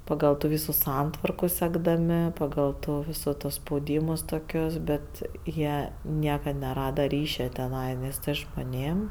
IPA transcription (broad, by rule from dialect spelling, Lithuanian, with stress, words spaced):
pɐˈɡɐlˠ tuː ˈʋʲiːsuː ˈsɐntʋɐrkʊ sʲɛɡdɐˈmʲɪ pɐˈɡɐlˠ tuː ˈʋʲiːsʊ toː spɐʊˈdʲiːmʊs toːˈkʲʊs ˈbʲɛt ˈjiɛ ˈnʲiɛkɐt nʲɛˈrɑːdɐ ˈrʲiːʃʲɛ tʲɛˈnɐɪ ˈnʲɛs ʒmoːˈnʲeːm